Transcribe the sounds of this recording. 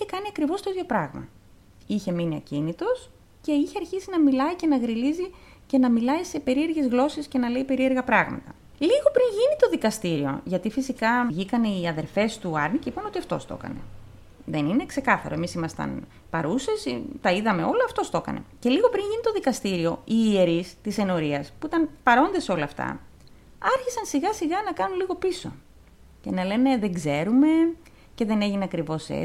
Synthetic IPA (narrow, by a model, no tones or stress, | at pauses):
içe̞kɐniɐkɾivo̞st̪o̞it̪jo̞pɾɐɣmɐ̰ | içe̞miniɐ̰cinit̪o̞s | ce̞içeɐɾçisinɐmilɐice̞nɐɣɾilizi | ce̞nɐmilɐise̞pe̞ɾie̞ɾɣe̞zɣlo̞sesce̞nɐle̞ipe̞ɾie̞ɾɣɐpɾɐɣmɐ̰t̪ɐ | liɣo̞pɾinʝinit̪o̞ðikɐst̪iɾio̞̰ʝɐt̪ifisikɐʝikɐneiɐðe̞ɾfe̞st̪uɐɾniceipɐno̞t̪iɐft̪o̰st̪o̞̰kɐ̰ne̞̰ | ðe̞nine̞kse̞kɐθɐ̰ɾo̞e̞misimɐst̪ɐ̰n | pɐ̰ɾusesit̪ɐiðɐme̞o̞loɐft̪o̞st̪o̞kɐ̰ne̞̰ce̞liɣo̞pɾinʝinit̪o̞ðikɐst̪iɾio̞iːeɾist̪ise̞no̞ɾiɐspuit̪ɐnpɐɾo̞nd̪ɐseo̞lɐːft̪ɐ̰ | ɐɾçisɐnsiɣɐsiɣɐnɐkɐnunliɣo̞piso̞̰ | ce̞nɐle̞ne̞ðeŋɡze̞ɾume̞ | ce̞ðe̞ne̞ʝineɐkɾivo̞sḛ